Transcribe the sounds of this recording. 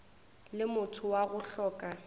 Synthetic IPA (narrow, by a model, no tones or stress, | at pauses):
lɪmʊtʰʊwaɣʊɬɔːkʼa